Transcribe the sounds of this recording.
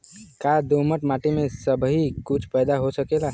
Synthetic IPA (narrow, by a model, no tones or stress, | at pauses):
kad̪oməʈmaːʈimẽsəbʱɦikʊt͡ʃʰpɛːd̪aɦosəkeːlaː